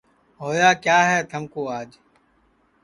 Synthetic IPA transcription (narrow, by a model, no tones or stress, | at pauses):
ɦoːjaːkjaːɦɛːt̪ʰəmkoːaːd͡ʒ